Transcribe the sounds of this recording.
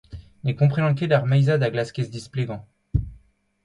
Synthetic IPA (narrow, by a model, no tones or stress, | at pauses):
mekɔ̃pχeɑ̃kʲelaʁmajzad̪aɡlaskʲesd̪ispleɡɑ̃